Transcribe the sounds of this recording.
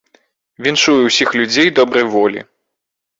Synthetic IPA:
vʲinʂujɛwsʲixlʲud͡zʲejd̪ɔbɾɐjvɔlʲḭ

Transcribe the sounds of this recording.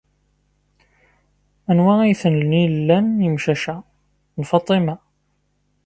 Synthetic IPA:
ænwæijθənlnilːænjəmʃæʃæ | nfɑt̪ˤimæ

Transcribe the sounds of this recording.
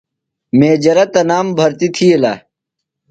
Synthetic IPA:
meːd͡ʑɐɾɐt̪ɐnaːmbʱɐɾt̪it̪ʰielaː

